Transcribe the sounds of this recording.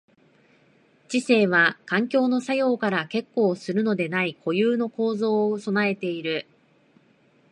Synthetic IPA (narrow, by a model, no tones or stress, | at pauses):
t͡ɕise̞ːβ̞akãŋkʲo̞ːno̞sajo̞ːkaɾake̞kːo̞ːsɨɾɯ̟no̞d̪e̞naikʰo̞jɯːno̞ko̞ːzo̞ːso̞nae̞t̪e̞iɾɯ̟